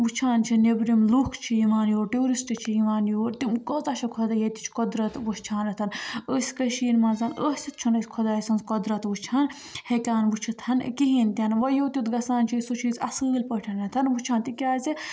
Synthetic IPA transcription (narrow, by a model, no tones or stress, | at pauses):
ʋut͡ʃʰaːnt͡ʃʰinebɾimluːkʰt͡ʃʰijiʋaːnjoːɾʈuːɾisʈɨt͡ʃʰijiʋaːnjoːɾt̪imkəːzɐʃɐkʰod̪ɐjet̪i̥t͡ʃʰkɔd̪ɾɐt̪ʋut͡ʃʰaːnɐt̪ʰɐnəːsʲkɐʃiːnmɐnzɐnəːsʲit̪̚t͡ʃʰunɐsʲkʰɔd̪aːjsɐnzkod̪ɾɐt̪ʋut͡ʃʰaːn | hekaːnʋut͡ʃʰit̪ʰɐn̰kiɦint̪ʲɐnʋɐjoːt̪ʲut̪ɡɐsaːnt͡ʃʰisot͡ʃʰiːzɐsɨːlʲpəʈʰɐnɐt̪ʰɐnʋut͡ʃʰaːnt̪ikʲaːzi